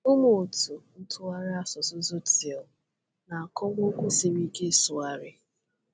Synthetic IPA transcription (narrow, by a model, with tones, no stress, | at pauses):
ʊ˦mo˨tu˨n̩˦tʰʊ˦a˦ɾɪ˦a˦sɔ˨sʊ˦zo˦ti˨ɔ˨ | na˨a˨kɔ˦ŋo˦kʷu˦se˨ɾi˦ke˦˨sʊ˨a˦ɾɪ˦